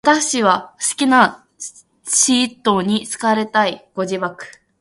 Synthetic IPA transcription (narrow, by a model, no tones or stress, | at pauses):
at̪aɕiβasɨ̥kʲina | ɕiːt̪ːo̞ɲ̟it͡sɨ̥kaɾe̞t̪aiko̞d͡ʑibakɯ̟̥